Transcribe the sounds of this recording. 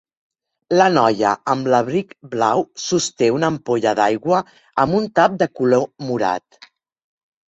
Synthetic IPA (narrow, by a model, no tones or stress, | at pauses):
lənɔjə̰əmləβɾikblawsust̪eunəmpoʎəðajɣwə | əmbunt̪ap̚d̪əkulomuɾa̰t̪